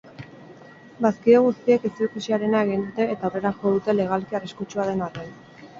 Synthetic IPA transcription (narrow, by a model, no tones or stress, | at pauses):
baskieɣ̞ust̪ie̞kesiokisiaɾe̞naeɣ̞ind̪ut̪e̞ːt̪aawre̞ɾaxoðut̪e̞le̞ɣ̞alkiariskut͡ʃuaðe̞naren